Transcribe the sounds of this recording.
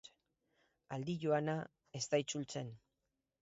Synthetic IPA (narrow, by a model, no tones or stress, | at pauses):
ald̪iʝoana | ezt̪ajt͡sult͡se̞n